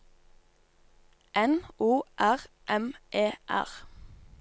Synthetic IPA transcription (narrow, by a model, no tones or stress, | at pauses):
ʔɛnuːʔæʁ | ʔɛmʔeːʔæ̰ʁ